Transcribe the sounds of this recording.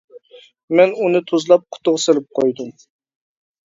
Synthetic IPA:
mɛnunɨt̪ʰozlˠɑp̚qʰʊ̥t̪ʊʁselɪp̚qʰojd̪um

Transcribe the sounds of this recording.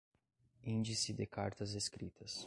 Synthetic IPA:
ĩnd͡ʒisɪd̪ɪkaɾt̪ɐzeskɾit̪ʰɐs

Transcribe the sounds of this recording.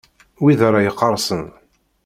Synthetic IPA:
wiðɾˤɑjəqːəɾˤsˤən

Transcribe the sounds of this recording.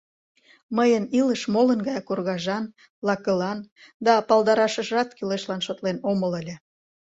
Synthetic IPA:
məjəniləʃmolənɡɑjɑkorɣɑʒɑn | lɑkəlɑnd̪ɑpɑld̪ɑɾɑʃəʒɑt̪kyleʃlɑnʃot̪lenomələlʲĕ

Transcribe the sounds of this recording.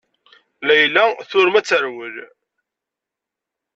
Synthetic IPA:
læjlːæθʊɾmæt͡sːəɾwəl

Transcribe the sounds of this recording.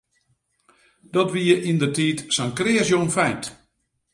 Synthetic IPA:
d̥ɔtʋiəʔindərtiːtsankrɪəsjonfɛjnt

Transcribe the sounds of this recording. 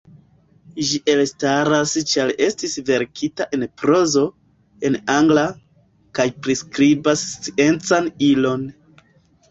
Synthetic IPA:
ʒiʔe̞lstaɾast͡ʃale̞stisve̞ɾkʰitaʔe̞npɾo̞zo̞ | e̞naŋɡla | kajpɾiskɾibast͡sie̞nt͡sanilo̞n

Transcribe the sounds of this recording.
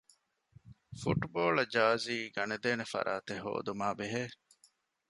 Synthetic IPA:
fuʈboːɭɐd͡ʒaːziːɡɐned̪eːnefɐ̰ɾa̰ːt̪eɦo̰ːd̪umaːbeɦeː

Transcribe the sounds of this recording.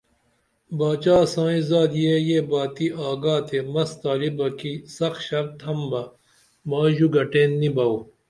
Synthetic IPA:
baːt͡ɕaːsãːĩzaːd̪jejeːbaːt̪iaːɡaːt̪ʰemɐst̪aːlibɐkisɐxɕɐk̚t̪ʰɐmbɐ | maːʑuɡɐʈẽːnːibɐuː

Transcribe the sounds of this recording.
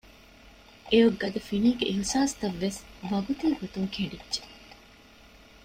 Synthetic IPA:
ʔejoɡːɐd̪ɐfiniːɡeʔiɦsaːst̪ɐʋːesʋɐɡut̪iːɡot̪uŋkʰeɳɖidʒe̥

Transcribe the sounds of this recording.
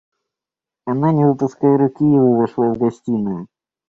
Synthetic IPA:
ɐnanʲɪvɨpʊskajəɾʊkʲijɪvovɐʂlˠavɡɐsʲtʲinɨ

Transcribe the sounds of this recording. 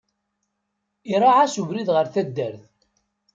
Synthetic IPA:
iɾˤɑʕasuvɾiðʁəɾθæd̪ːæɾθ

